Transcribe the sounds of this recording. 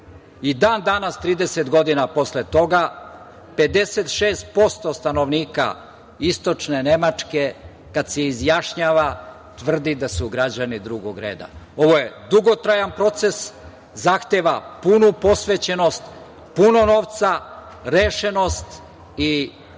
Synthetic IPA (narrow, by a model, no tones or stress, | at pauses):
id̪aːnd̪anast̪ɾiːd̪ese̞t̪ɡo̞d̪inapo̞slet̪o̞ɡa | pe̞d̪e̞set̪ʃeːst̪̚po̞st̪o̞st̪ano̞ʋniːka̰ | ist̪o̞t͡ʃne̞ne̞mat͡ʃke̞ | kad̪seizjaʃɲaːʋa | t̪ʋr̩d̪id̪asuɡɾad͡ʑanid̪ɾuɡoɡɾe̞̰ːd̪a̰o̞ʋo̞je̞d̪uɡo̞t̪ɾajanpɾo̞t̪se̞s | zaxt̪eʋapunupo̞sʋet͡ɕe̞no̞st̪ | puno̞no̞ʋt̪sa | ɾeʃe̞no̞st̪ | i